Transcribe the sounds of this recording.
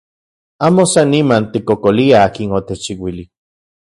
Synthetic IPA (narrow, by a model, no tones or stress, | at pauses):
aːmosanːimant̪ikokoliaaːkinot̪et͡ʃiwili